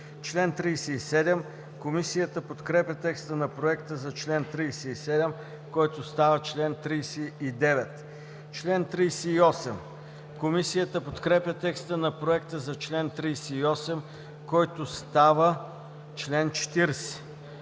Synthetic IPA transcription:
t͡ʃlɛnt̪ɾijsɛisɛd̪ɛm | komisijət̪əpot̪kɾɛpʲət̪ɛkst̪ənɐpɾoɛkt̪əzɐt͡ʃlɛnt̪ɾijsɛisɛd̪ɛm | kɔjt̪ost̪avət͡ʃlɛnt̪ɾijsɛid̪ɛvɛt̪ | t͡ʃlɛnt̪ɾijsɛiɔsɛm | komisijət̪əpot̪kɾɛpʲjɐt̪ɛkst̪ənɐpɾoɛkt̪əzɐt͡ʃlɛnt̪ɾijsɛiɔsɛm | kɔjt̪ost̪avə | t͡ʃlɛnt͡ʃɛ̥t̪iɾsɛ̥

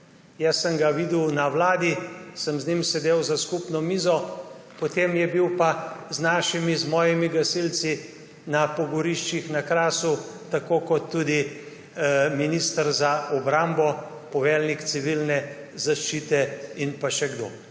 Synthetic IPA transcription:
jɛsːəmɡaʋiːd̪əwnawlaːd̪isəmznimsɛd̪eːwzaskupnɔmiːzɔ | pɔt̪eːmjɛbiwpaznaːʃimizmɔːjimiɡɐsilt̪si | napɔɡɔɾiʃt͡ʃixnakɾaːsut̪akoːkɔt̪ːud̪i | minist̪əɾzaʔɔbɾambɔ | pɔʋɛːlnikt̪siʋilnɛ | zaʃt͡ʃiːt̪ɛinpaʃɛɡd̪o̰ː

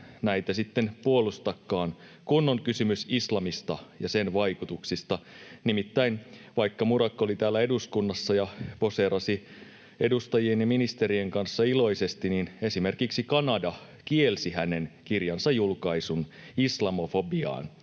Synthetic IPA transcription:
næit̪æsit̪ːenpuolust̪ɑkːɑːn | kunːoŋkysymysislɑmist̪ɑjɑsenʋɑikut̪uksist̪ɑnimit̪ːæinʋɑikːɑmuɾɑkːolit̪æːlːæeduskunːɑsːɑjɑpo̞seɾɑsi | e̞dust̪ɑjienjɑminist̪eɾieŋkɑnsːɑilo̞isest̪inine̞simerkiksikɑnɑdɑ | kielsihænenkirjɑnsɑjjulkɑisunislɑmofobiɑ̰ːn

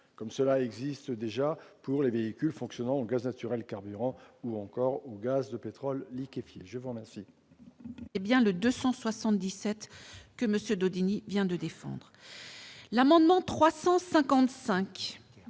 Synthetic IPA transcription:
kɔmsəlaɛɡzist̪d̪eʒapuʁleveikʲylfɔ̃ksjɔnɑ̃oɡaznat̪yʁɛlkaʁbyʁɑ̃uɑ̃kɔʁoɡazd̪əpet̪χɔlːikʲifjeʒəvuʁəmɛʁsi | ɛbjɛ̃ləd̪øsɑ̃swasɑ̃t̪̚d̪isɛt̪kəməsjød̪od̪inivjɛ̃d̪əd̪efɑ̰̃d̪ʁ | lamɑ̃d̪mɑ̃t̪χwasɑ̃sɛ̃kɑ̃t̪sɛ̃k

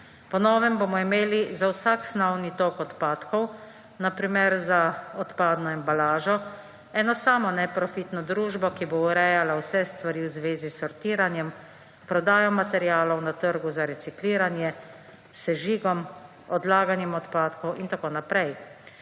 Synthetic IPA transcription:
pɔnɔːʋɛmboːmɔimeːlizawsaksnɔwnit̪okɔt̪paːt̪kɔw | napɾimɛɾzaɔt̪paːd̪nɔɛmbalaːʒɔ | ɛːnɔsaːmɔnɛpɾɔfiːt̪nɔd̪ɾuːʒbɔkibouɾɛjalawsɛst̪ʋaɾiwzʋeːzisːɔɾt̪iːɾanjɛm | pɾɔd̪aːjɔmat̪ɛɾjaːlɔwnat̪əɾɡuzaɾɛsikliːɾanjɛ | sɛʒiːɡɔm | ɔd̪laːɡanjɛmɔt̪paːt̪kɔwʔint̪akoːnapɾɛj

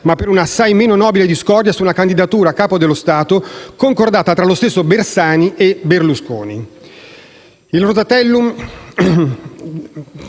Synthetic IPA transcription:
mapːeɾunasːajmeːnonɔːbiled̪iskɔrd̪jasunakand̪id̪at̪uːɾaːkːaːpod̪elːost̪aːt̪okoŋkord̪aːt̪at̪ɾalost̪esːobersaːniʔeberlusko̰ːnḭ | ilrot̪at̪ɛlːum

